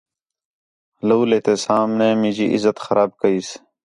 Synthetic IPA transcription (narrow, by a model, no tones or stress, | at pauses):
ləwleːt̪eːsaːmneːmĩːd͡ʑiʔizət̪xɐɾaːb̚kəiːs